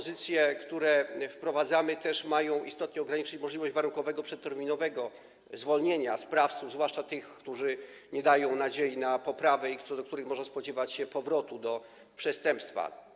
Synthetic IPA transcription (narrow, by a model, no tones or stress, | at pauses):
ɔzɘt̪sʲjɛkt̪uɾɛfpɾɔvad̪zamɘt̪ɛʂmajɔ̃w̃ḭst̪ɔt̪̚ɲɛɔɡɾaɲit͡ʂɪt͡ɕmɔʐlʲivɔɕd͡ʑvaɾuŋkɔvɛɡɔpʂɛt̪ːɛɾmʲinɔvɛɡɔ | zvɔlɲeɲaspɾaft̪suvzvwaʂt͡ʂat̪ɘxkt̪uʐɘ | ɲɛd̪ajɔ̃w̃nad͡ʑejinapɔpɾavɛikt̪ɔd̪ɔkt̪uɾɘxmɔʐɛspɔd͡ʑɛvat͡ɕɕɛpɔvɾɔt̪ud̪ɔ | pʂɛst̪ɛmpst̪fa̰